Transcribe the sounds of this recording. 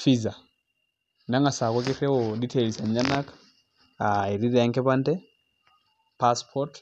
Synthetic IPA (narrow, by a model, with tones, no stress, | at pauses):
fi˦za˨ | na˦ŋa˨sa˨kɔ˦k̬ɪ˦ɾɛ˦ɔ˨di˦tʰe˨li˨sa˨ɲa˦na˦k | ae˨ɾi˦ɾɛ˨a˦ŋkɛ˦pa˦ntɛ | paspʰɔɾt